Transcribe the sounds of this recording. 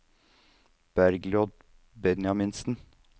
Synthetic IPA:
b̥æɾɡlod̪̚ | bɛnjɑmɪnsn̩

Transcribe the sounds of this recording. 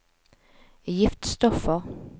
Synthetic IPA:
jɪft̪st̪ɔfəɾ

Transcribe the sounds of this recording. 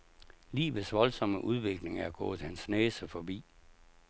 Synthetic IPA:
lḭːʋəsʋɒ̽lsɒ̽məʔuð̞ˠʋe̝ɡ̥le̝ŋæɐɡ̥ɔ̰ːð̩ˠhænsneːsəfɒbḭː

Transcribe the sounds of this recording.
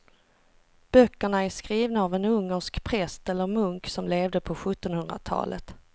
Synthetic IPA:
b̥œkːəɳaæʂkɾiːvnaːvɛnɵŋːəʂkpʰɾɛst̪ɛlːəɾmɵŋksɔmleːvd̪əpʰɔɧɵt̪ːɔnhɵnd̪ɾa̰t̪ʰɑ̰ːlʔə̰t̪

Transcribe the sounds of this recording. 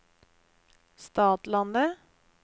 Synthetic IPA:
st̪ɑːt̪lɑnd̪ə

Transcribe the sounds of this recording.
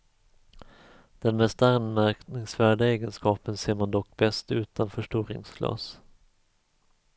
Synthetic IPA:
d̪̥ɛnmɛst̪anmæɾknɪŋsvæːɖaeːɡənskɑːpənseːɾmand̪ɔkːbɛst̪ʉ̟ːt̪anfœʂʈuːɾɪ̰ŋsɡlɑ̰ːs

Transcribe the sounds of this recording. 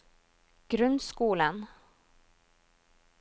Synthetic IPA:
ɡ̥ɾʉnd̪skuːlən

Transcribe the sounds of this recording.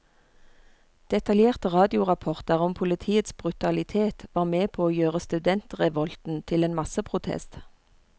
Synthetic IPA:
d̪̥ɛt̪ɑljeːʁt̪əʁɑːd̪ɪʊʁɑpʰɔʁt̪əʁɔmpʰʊlət̪ʰiːət̪sb̥ʁʉt̪ɑlɪt̪ʰeːt̪ʋɑːʁmeːpʰoːoːjøːʁəst̪ʉd̪ɛnt̪ʁɛʋɔlt̪n̩t̪ʰɪleːnmɑsəpʰʁʊt̪ʰɛ̰st̪

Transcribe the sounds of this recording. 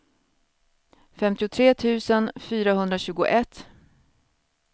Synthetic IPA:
fɛmt̪ɪʊt̪ʰɾeːt̪ʰʉ̟ːsənfyːɾahɵnd̪ɾaɕʉ̟ːɡʊ̰ʔɛt̪ː

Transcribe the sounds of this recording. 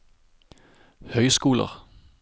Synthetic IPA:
hœʏsɡ̥uːlɐ̰ʁ

